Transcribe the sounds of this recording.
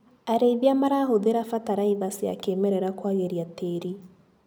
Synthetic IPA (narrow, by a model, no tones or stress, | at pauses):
aɾeiðjamaɾahoðeɾafataɾaiβasia̰keːmɛɾɛɾakwaɣeɾjateɾi